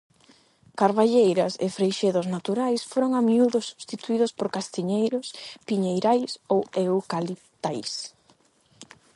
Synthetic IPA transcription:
kaɾβaʎejɾɐsḛfɾejʃeðʊznat̪uɾajsfoɾoŋamiuðʊsːust̪it̪uiðʊspoɾkast̪iɲejɾʊspiɲejɾajsowewkalit̪ajs

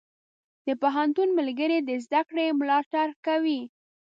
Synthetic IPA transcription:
d̪̥əpaɦant̪unmalɡəɾed̪əzd̪akɽemlɑʈaɾkawi

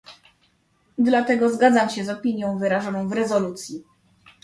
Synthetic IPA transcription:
d̪lat̪ɛɡɔzɡad̪zamɕɛzɔpʲiɲjɔ̃w̃vɘɾaʐɔnɔ̃w̃vɾɛzɔlut̪sʲji

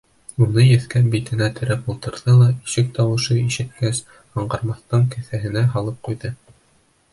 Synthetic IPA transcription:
unɤjɘ̆θkæbit̪ɘ̆næt̪ʰɘ̆ɾæpulˠt̪ɤ̆ɾðɤlˠɑiʃɘk̚t̪ɑwɤ̆ʃɤiʃɘ̆t̪̚kæs | ɑɴɢɑɾmɑθt̪ɤŋkɘ̆θæɦɘ̆næɦɑlˠɤp̚qujðɤ

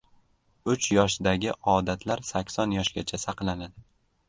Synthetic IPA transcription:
ʊt͡ʃjɒʃɪd̪aɡʲɪʔɒd̪at̪ʰlaɾsakʲsɒnjɒʃɡʲat͡ʃʰasɑqlanad̪ɪ

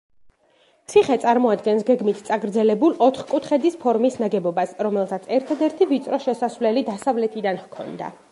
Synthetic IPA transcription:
t̪sʰiχɛt̪sʼaɾmɔad̪ɡɛnsɡɛɡmit̪ʰt̪sʼaɡɾd̪zɛlɛbulˠɔt̪χkʼut̪ʰχɛd̪ispʰɔɾmisnaɡɛbɔbasɾɔmɛlˠsat̪sʰɛɾt̪ʰad̪ɛɾt̪ʰivit̪sʼɾɔʃɛsasvlɛlid̪asavlɛt̪ʰid̪anhkʰɔ̰nd̪a̰

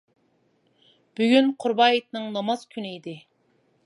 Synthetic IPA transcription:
b̥yɡʲynqʰʊɾbɑːjit̪̚nɨŋnɑmɑz̥kʲʰynɪid̪ɪ

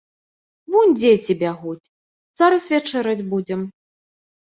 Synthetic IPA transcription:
vunʲd͡zʲet͡sʲibʲaɣut͡sʲ | z̥aɾɐsvʲat͡ʂɛɾɐd͡zʲbud͡zʲɛm

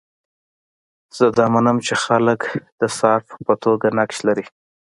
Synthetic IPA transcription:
z̥əd̪ɑmanəmt͡ʃexaləkd̪̥əsɑfpət̪oɡanakʃlaɾi

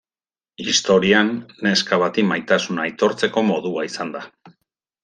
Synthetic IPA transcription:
ist̪o̞ɾianːe̞skaβat̪imajt̪asunajt̪o̞ɾt͡se̞ko̞mo̞ðuaisand̪a

